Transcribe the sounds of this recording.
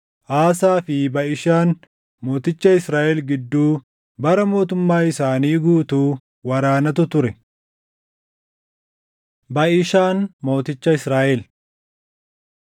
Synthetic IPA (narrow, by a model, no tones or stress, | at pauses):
ʔaːsaːfɪbɐʔɪʃaːn | mo̞ːt̪ɪt͡ʃːɐɪsɾaːʔɛlɡɪd̪ːuː | bɐɾɐmo̞ːt̪ʊmːaːɪsaːniːɡuːt̪uː | wɐɾaːnɐt̪̬ʊt̪ʊɾɛ | bɐʔɪʃaːnmo̞ːt̪ɪt͡ʃːɐɪsɾaːʔɛl